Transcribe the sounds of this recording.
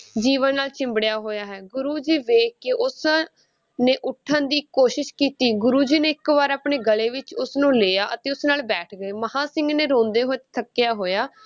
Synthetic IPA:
d͡ʒiːʋənːaːlt͡ʃɪ̃mbɽejaːɦoːjaːɦɛːɡʊɾuːd͡ʒiːʋeːkːeːʔʊs | nẽːʔʊʈʰːənd̪iːkoːʃɪʃkiːt̪iːɡʊɾuːd͡ʒiːneːɪkʋaːɾaːpɳeːɡəleːʋɪt͡ʃʊsnũːleːjaːʔət̪eːʊsnaːlbɛːʈʰɡəeːməhaːsɪ̃ŋɡnẽːɾõːnd̪eːɦoːt̪t̪ʰəkːɪjaːɦoːjaː

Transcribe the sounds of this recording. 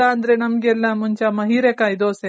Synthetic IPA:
aɐnd̪ɾenɐmɡeɛlːɐmuɲt͡ʃɐmɐɦiːɾekaːid̪oːse

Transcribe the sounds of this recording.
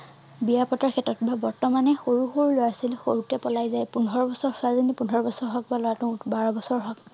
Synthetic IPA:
bijapɔtaɹkʰɛtɹɔtbabɔɹtɔmanɛxoɹuxoɹulojasilxoɹutɛpɔlajzajpunʱɔɹɔbɔsɔɹsʊazɔnipunɔɹɔbɔsɔɹɦɔk̚balɔatũbaɹɔbɔsɔɹɦɔk

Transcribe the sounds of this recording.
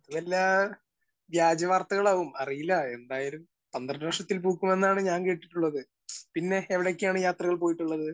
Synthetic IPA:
ɐt̪ɐðelːaː | ʋjaːd͡ʑɐʋaːrt̪ɐɣɐɭaːʋumɐrijilːɐe̞nd̪aːjilum | t̪ɐnd̪rɐnɐʂɐt̪ːilpuːkːume̞nːaːɳɨɲaːnke̞ːʈːi̥ʈːuɭːɐðɨ | pinːe̞ːʋiɽekːjaːɳɨjaːt̪rɐɣɐɭpo̞ːjiʈːuɭːɐðɨ

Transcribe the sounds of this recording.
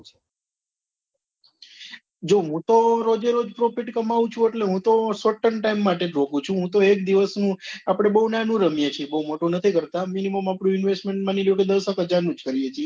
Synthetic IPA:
d͡ʒoɦũt̪oɾod͡ʒeɾod͡ʒpɾofiʈkəmaʋũt͡ʃʰũeʈleɦũt̪osoʈːəɳʈaimːaʈeɾokũt͡ʃʰũɦũt̪oek̚d̪iʋəsnũapɽ̃ebəɦunanũɾəmjet͡ʃʰebəɦumoʈunət̪ʰikəɾt̪aminiməmapɽũɪnʋesʈmeɳʈmaniljũked̪əsəkəd͡ʒanũd͡ʒkəɾiet͡ʃʰie

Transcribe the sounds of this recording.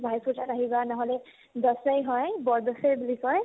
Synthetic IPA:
bʱajpʰuʈaɾaɦibanɔɦɔle | d̪ɔsəjɦɔjbɔɹd̪ɔsejbulisɔj

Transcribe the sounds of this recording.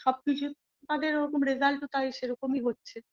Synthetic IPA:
ʃɔb̚kit͡ɕʰu | t̪ad̪eɾoɾokomɾezalʈot̪aeʃeɾokomiɦotːɕʰe

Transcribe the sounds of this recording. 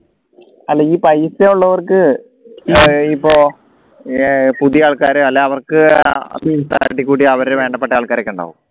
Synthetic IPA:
ɐlːeiːpɐjseuɭːɐʋɐrkɨ | ipːoː | puðijaːɭkaːɾɨɐlːeɐʋɐrkɨɐ̰t̪ɐinst̪a̰ːɾʈːikʲːuːɽiɐʋɐɾeʋe̞ːɳɖɐp̬ːeʈːaːɭkaːɾɐkʲːeuɳɖa̰ːʋum

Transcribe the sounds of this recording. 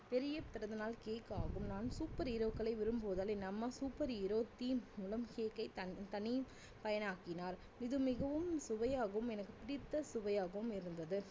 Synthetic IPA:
pɛɾɪjɐpɪɾɐðɯnaːlkeːkːaːɣɯmnaːnsuːpːɐɾɪɾokːɐɭɐɪʋɪɾɯmpoːðaːlenɐmːɐsuːpːɐɾɪɾoːt̪ːiːʊlɐmkeːkːɐɪt̪ɐt̪ɐnɪ | pɐjɐnaːkɪnaːɾ | ɪðɯmɪɣɐʋɯmsʊʋɐjaːɣɐʋɯmɛnɐkːɯpɪɽɪt̪ːɐsʊʋɐjaːɣɐʋɯmɪɾɯnd̪ɐðɯ

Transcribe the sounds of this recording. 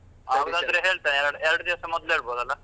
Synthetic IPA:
aːʋd̪aːd̪ɐɾeɦeːɭt̪anɾɽɛɾɐɽud̪iʋɐsɐmɐd̪leːɭboːd̪ɐlːa

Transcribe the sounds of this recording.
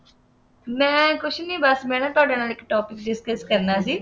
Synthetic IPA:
mɛ̃ːkʊt͡ʃʰnĩːbəsmɛ̃ːnãːt̪ʊaːɖãːnaːlɪkʈoːpɪkɖɪskəskəɾnaːsiː

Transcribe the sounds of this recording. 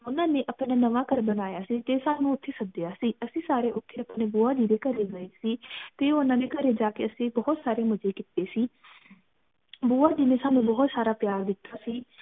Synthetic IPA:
ʊnãːnẽːʔəpnaːnəʋaːkəɾbənaːjaːsiːt̪eːsaːnũːʊt̪ʰːeːsəd̪ɪjaːsiːəsĩːsaːɾeːʔʊt̪ʰːeːəpneːbuːaːd̪iːd̪eːkəɾeɡəeːsiːt̪eːʊnãːneːkəɾeːd͡ʒaːkeəsĩːbɔɦʊt̪saːɾeːmʊd͡ʒeːkɪt̪ːeːsiː | buːaːd̪iːnẽːsaːnũːbɔɦʊt̪saːɾaːpjaːɾd̪ɪt̪ʰːaːsiː

